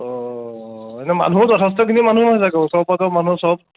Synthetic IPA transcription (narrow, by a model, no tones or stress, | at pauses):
ɔ | ɛnɛma̰nutɔtʰas̬tɔkʰinimanumaɦisakɔsɔpatɔmanusɔb̚